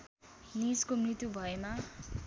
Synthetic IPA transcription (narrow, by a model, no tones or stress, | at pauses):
niskomrit̪jubʱʌema